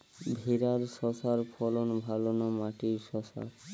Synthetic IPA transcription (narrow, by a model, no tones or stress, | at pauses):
bʱiɾaɾsɔsaɾpʰɔlɔnbʱalɔnɔmaʈiɾʃɔsa̰ɾ